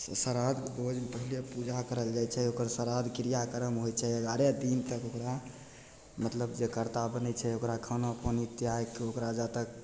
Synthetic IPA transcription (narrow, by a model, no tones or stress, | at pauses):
səɾad̪bod͡ʒpəɦilepud͡ʒakəɾəld͡ʒajt͡ʃʰɛokəɾsəɾad̪kɾijakəɾəmɦojt͡ʃʰɛəɡaɾed̪int̪əkokɾa | mət̪ləbd͡ʒekəɾt̪abənɛt͡ʃʰɛokɾakʰənapənit̪iajkokɾad͡ʒat̪ək̚